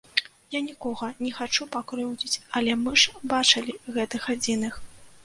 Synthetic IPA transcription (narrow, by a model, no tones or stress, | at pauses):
janʲikɔɣɐnʲɛxat͡ʂupakɾɨwd͡zʲit͡sʲɐlʲɛmɨʂbat͡ʂɐlʲiɣɛt̪ɨxad͡zʲinɨx